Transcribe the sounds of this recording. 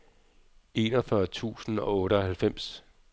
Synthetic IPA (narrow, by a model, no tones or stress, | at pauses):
e̝ːnɒfɶɐt͡sʰṵːsn̩ɒ̽ɔ̽ːɾəɒhælfem̰s